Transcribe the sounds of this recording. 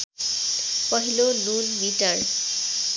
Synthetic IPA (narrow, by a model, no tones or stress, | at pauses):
pɔɦilonulmitaɹ